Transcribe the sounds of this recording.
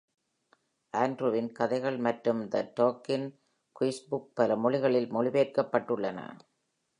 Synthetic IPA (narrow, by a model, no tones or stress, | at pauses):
ʔaːndɾuːʋɪnkɐðɐɪɣɐɭmɐʈɾɯmd̪ɐʈoːkɪn | kiːsbʊk̚pɐlɐmʊɻɪɣɐɭɪlmʊɻɪʋeːɾkɐpːɐʈːɯɭːɐnɐ̰